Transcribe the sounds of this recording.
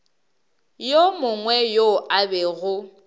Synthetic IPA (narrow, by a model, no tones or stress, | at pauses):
jomʊŋwɛjoʔabɛɣʊ